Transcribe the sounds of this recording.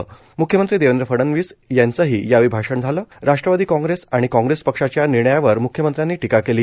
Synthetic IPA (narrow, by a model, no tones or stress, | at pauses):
mukʰjəmənt̪ɾiːd̪eʋənd̪ɾəfəɽənʋiːsjant͡səɦiːjaʋibʱaʂəɳd͡zʱaləːɾaʂʈɾəʋad̪iːkɔ̃ŋɡɾesaɽ̃ikɔ̃ŋɡɾespəkʂat͡ɕjaniɾɳəjaʋəɾmukʰjəmənt̪ɾjãnːiːʈikakeliː